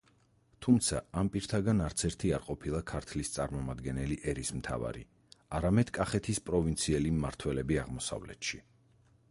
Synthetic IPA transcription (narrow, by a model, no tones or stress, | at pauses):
t̪ʰumt̪sʰaampʼiɾt̪ʰaɡanaɾt̪sʰɛɾt̪ʰiaɾqʼɔpʰilˠakʰaɾt̪ʰlist̪sʼaɾmɔmad̪ɡɛnɛliʔɛɾismt̪ʰa̰va̰ɾḭ | aɾamɛd̪̥kʼaχɛt̪ʰispʼɾɔvint̪sʰiɛlimːaɾt̪ʰwɛlɛbiaʁmɔsa̰vlɛ̰t̪ʃi